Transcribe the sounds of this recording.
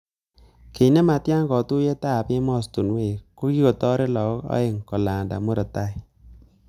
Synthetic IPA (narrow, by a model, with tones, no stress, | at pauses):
ke˨˦ne˦ma˨tja˦ŋkɔ˨tu˦je˦ta˦˨pɪ˦mɔ˦˨stu˨nwe˦˨ko˦ki˦ko˨tɔ˦ɾe˦lɔ˨kɔ˦kɔ̰˦e˨ŋkɔ˨la˨nda̰˨mu˦ɾɔ˨ta˦i˨